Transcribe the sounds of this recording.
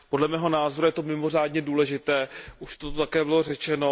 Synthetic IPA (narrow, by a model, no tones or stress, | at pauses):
po̞dlɛmɛːɦo̞naːzo̞ɾujɛt̪o̞mɪmo̞r̝aːdɲɛduːlɛʒɪt̪ɛːʔuʃt̪ot̪ot̪akɛːbɪlo̞rɛt͡ʃɛno̞